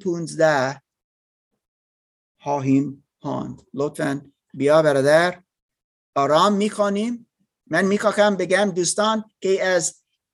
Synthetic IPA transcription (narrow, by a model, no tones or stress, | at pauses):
pʰunzd̪æ | hɑːɦim | hɑ̰ːnd̪lot̪ʰfæn | bijɒːbæɾɑd̪æɾ | ɒːɾɑːmːiːkʰonim | mænmiːkʰɒːxæmbeɡæmd̪ust̪ɑːnkejæz